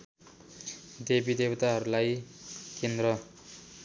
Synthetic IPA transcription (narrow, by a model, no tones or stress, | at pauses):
d̪ebid̪ewt̪aɦʌɾulajkend̪rʌ